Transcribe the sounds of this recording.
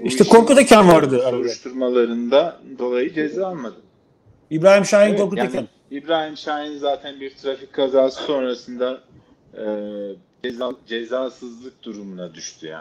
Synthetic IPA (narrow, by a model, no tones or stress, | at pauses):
iʃt̪ʰɛkʰo̞ɾkut̪ʰecʰanvaɾd̪ɯauɾuʃt̪ʰuɾmalˠaɾɯnd̪ad̪o̞lˠajɯd͡ʒezaalˠmad̪ɯm | ibɾaːhimʃaːjinko̞ɾkutaecʰan | ibɾaːhimʃaːjinzaːt̪ʰænbiɾt̪ʰɾafic̚kʰːazaːsɯ̥so̞nɾasɯnd̪aː | d͡ʒɛzad͡ʒɛzaːsɯzlˠɯk̚d̪uɾumunad̪yʃt̪ʰyja̰